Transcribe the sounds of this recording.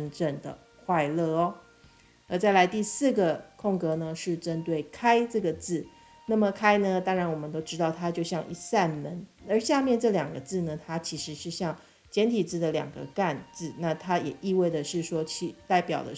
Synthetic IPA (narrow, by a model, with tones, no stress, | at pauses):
ə˧˥nʈ͡ʂə˥˩ŋd̪ə̰˩ | kʰwa˥˧ɪlɤ˥˩ɔ˧˦ | ə˧˩t͡sa˥˩ɪla˧˥ɪt̪i˥˧sɹ̩˥˩ɡə˩kʰʊ˥˩ŋkɤ˧˥nə˧ʂɻ̩˥˩ʈ͡ʂə˦˥nt̪we˥˩ɪkʰa˥ɪʈ͡ʂɤ˥˩ɡə˩t͡sɹ̩˥˩ | na˥˩mə˩kʰa˥ɪnə˧t̪ɑ˥ŋɻa˧˥nwɔ˨˩mə˦nt̪o˥ʊʈ͡ʂɻ̩˥t̪ɑ˥˩ʊt̪ʰa˥t͡ɕjo˥˧ʊɕjɑ˥˧ŋʔḭ˥˧sa˥˩nmə˧˥nə˞˧˥ɕja˥˧mjɛ˥˧nʈ͡ʂɤ˥˩ljɑ˨˩ŋɡə˦t͡sɹ̩˥˩nə˩t̪ʰa˥t͡ɕʰi˧˥ʂɻ̩˧˥ʂɻ̩˥˧ɕjɑ˥˩ŋ | t͡ɕjɛ˧˥nt̪ʰi˨˩t͡sɹ̩˥˩d̪ə˩ljɑ̰˨˩ŋɡə̰˦ka˥˧nt͡sɹ̩˥˧na˥˩t̪ʰa˥jɛ˨˩ʔi˥˧we˥˩ɪdə˩ʂɻ̩˥˩ʂwɔ˥t͡ɕʰi˧˥t̪a˥˩ɪpjɑ˨˩ʊd̪ə̰˦